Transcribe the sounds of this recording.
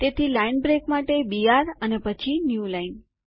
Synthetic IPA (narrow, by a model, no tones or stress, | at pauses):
t̪et̪ʰilainbɾekmaʈebijaɾənepət͡ʃʰinjulain